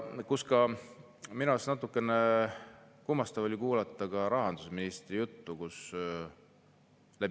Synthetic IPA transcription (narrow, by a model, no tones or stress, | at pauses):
kuskɑ | minɑsnɑt̪ːˑukːˑe̞ne | kumːɑst̪ɑvolʲikuːlɑt̪ːˑɑɡ̥ɑɾɑɦɑnd̪̥usminist̪rijut̪ːukus | læ